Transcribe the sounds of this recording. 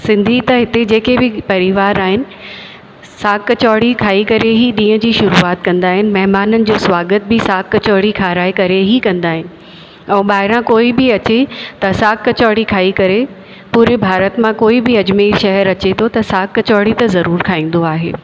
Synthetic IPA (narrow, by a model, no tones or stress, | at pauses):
sɪ̃nd̪ʱit̪ɐɦɪt̪ed͡ʑeːkebɪpɐɾiʋaːɾaːɦɪnɪ̆ | saːkt͡ɕɔːɽikʰaːikɐɾeɦiɗĩːə̃d͡ʑiːʃʊɾuːaːt̪kɐ̃nd̪aːɦɪnɪ̆mɐɦɪmaːnənɪ̆d͡ʑoːswaːɡət̪̚bɪsaːkt͡ɕɔːɽikʰaːɾaːikɐɾeɦikɐ̃nd̪aːɦɪnɪ̆ | ɛ̃ːɓaːɦɪɾãkoːibɪɐt͡ɕet̪ɐsaːkːɐt͡ɕɔːɽikʰaːikɐɾe | puːɾebʱaːɾət̪mãkoːibɪɐd͡ʑmeːʃɐɦɛɾɐt͡ɕet̪ʰot̪ɐsaːkt͡ɕɔːɽit̪ɐzɐɾuːɾkʰaːĩːn̆d̪oaːɦḛː